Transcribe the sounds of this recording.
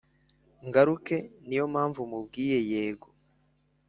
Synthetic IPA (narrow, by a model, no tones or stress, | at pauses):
ŋɡaɾuke̞nijo̞mhaːɱvumub̚ɡiːɾe̞jeːɡo